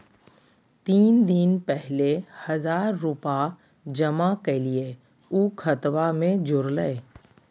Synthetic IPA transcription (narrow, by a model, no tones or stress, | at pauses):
t̪iːnd̪inpɛɦlehɐzaːɾːupa | d͡ʒɐmakelie | uːkʰət̪ʋamẽd͡ʒʊɾləe